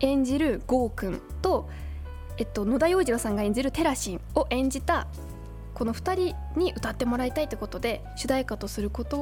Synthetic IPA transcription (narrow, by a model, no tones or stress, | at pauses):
ẽ̞ɲ̟d͡ʑiɾɯ̟ɡo̞ːkɯ̟̃nt̪o̞ | e̞t̪ːo̞no̞d̪ajo̞ːʑiɾosãŋɡaẽ̞ɲ̟d͡ʑiɾɯ̟t̪e̞ɾaɕĩɰo̞ʔẽ̞ɲ̟d͡ʑit̪a | ko̞no̞ɸɯ̟̥t̪aɾʲi | ɲ̟iʔɯ̟t̪at̪ːe̞mo̞ɾait̪ait̪ːoko̞t̪o̞d̪e̞ | ɕɨd̪aikat̪o̞sɨɾɯ̟ko̞t̪o̞